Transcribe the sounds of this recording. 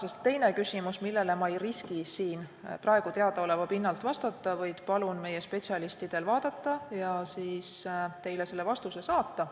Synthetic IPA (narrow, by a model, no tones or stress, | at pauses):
se̞st̪ːe̞jne̞kysimusmilːe̞le̞mɑejriskisiːnprɑeɡ̥ut̪e̞ɑd̪̥ɑo̞levɑpinːɑlt̪vɑst̪ɑt̪ːˑɑvɯjd̪̥pɑlunme̞je̞spe̞tsiɑlist̪id̪̥e̞lvɑːd̪̥ɑt̪ˑːɑjɑsiːst̪e̞jle̞se̞lːevɑst̪use̞sɑːt̪ːɑ